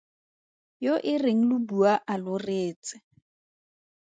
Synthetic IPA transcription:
joʔɪreŋ̩lʊbuaʔalʊreːt͡sɪ̥

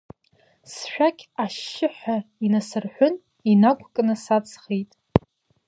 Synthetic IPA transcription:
sʃᶣakʲʰʼaʃːɪħʷainasɨrħʷʊn | inakʷʰʼkʼnɨsat͡sʼʰχejtʼ

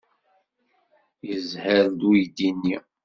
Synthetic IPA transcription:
jəzhəɾd̪ujd̪inːi

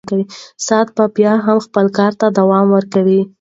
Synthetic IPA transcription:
kawisɑt̪̚papjɑɦamxpəlkɑɾt̪ad̪awɑmwəɾkawi

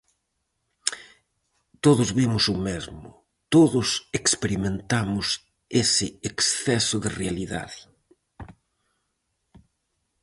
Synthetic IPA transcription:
t̪oðʊzβimʊsʊmezmʊ̰ | t̪oðʊsekspeɾimẽnt̪amʊs | esɪeksθɛsʊðɪrealiða̰ðɪ

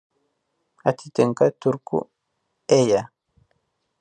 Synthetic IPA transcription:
at̪ʰit̪eŋkat̪uɾkṵ | eja

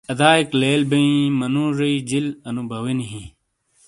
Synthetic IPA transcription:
ɐd̪aːikleːlbɐĩmɐnũɾɐid͡ʑilɐnubʱɐwiniɦĩ

